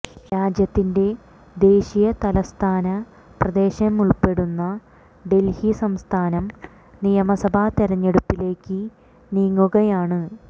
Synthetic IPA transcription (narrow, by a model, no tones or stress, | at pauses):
ɾaːd͡ʑjɐt̪ːinde̞ | d̪e̞ːɕijɐt̪ɐlɐst̪ʰaːnɐ | prɐd̪e̞ːɕɐmuɭpe̞ɽunːɐ | ɖe̞lhisɐmst̪ʰaːnɐm | nijɐmɐsɐbʱat̪iɾɐɲːe̞ɽupːile̞ːkːɨ | niːŋːuɣɐjaːɳɨ